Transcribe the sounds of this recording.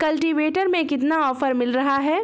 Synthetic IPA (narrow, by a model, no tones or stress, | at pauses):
kɐlʈiʋeːʈəɾmẽkɪt̪naɔːfəɾmɪlɾɐɦaɦɛː